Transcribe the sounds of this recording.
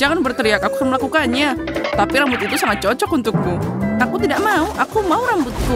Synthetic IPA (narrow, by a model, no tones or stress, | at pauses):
d͡ʒaŋanbərt̪əɾiakakukərmalakukanɲat̪apiɾambʊt̪it̪usaŋat̪̚t͡ʃɔt͡ʃɔkunt̪ʊk̚kuakut̪idaʔmauʔakumauɾambʊt̪̚ku